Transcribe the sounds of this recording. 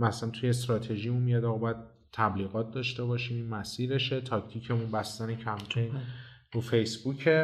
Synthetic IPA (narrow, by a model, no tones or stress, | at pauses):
mæsænt̪ʰujes̬t̪ɾɒːt̪ʰe̞ʒiːmunmijɒd̪ɒɣɒbɒjæd̪̥̚ | t̪ʰːæbliːɣɒːt̪̚d̪ɒːʃt̪e̞bɒːʃiːmiːnmæsiːɾe̞ʃe̞t̪ʰɒct̪ʰicʰe̞munbæst̪ænecʰæmpʰejnɾufe̞jsbucʰe